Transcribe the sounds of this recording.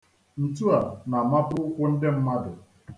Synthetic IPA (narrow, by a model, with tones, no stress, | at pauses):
n̩˨tu˦a˨na˨ma˦pʊ˦ʊ˦kʷʊ˦n̩˦dɪ˦m̩˦ma˦dʊ˨